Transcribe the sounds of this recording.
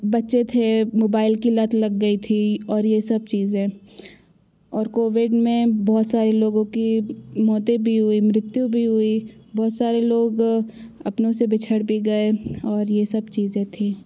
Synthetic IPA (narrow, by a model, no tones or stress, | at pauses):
bɐtːʃet̪ʰemoːbaːɪlkilɐt̪ʰlɐɡːɐit̪ʰiɔːɾjesɐb̚t͡ʃiːzẽː | ɔːɾkoːʋɪɖmẽbɔːt̪saːɾeloːɡõkimɔːt̪ebʱiɦʊimɾɪt̪jubʱiɦʊibɔːt̪saːɾeloːɡɐpnõsebɪt͡ʃʰəɽbʱiɡɐeɔːɾjesɐbt͡ʃiːzẽt̪ʰĩː